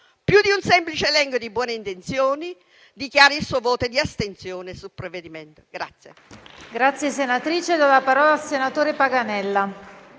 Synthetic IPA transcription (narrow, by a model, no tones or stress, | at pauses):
pjud̪iunsɛmplit͡ʃeːlɛŋɡjod̪ibwɔːneint̪ent̪sjoːni | d̪ikjaːɾilsuovɔːt̪od̪iast̪ent̪sjoːnesulpɾeved̪iment̪o̥ɡ̥ɾa̰t̪sːjeɡɾat̪sːjesenat̪ɾiːt͡ʃed̪alːapaɾɔːlasenat̪oːɾepaɡanɛlːa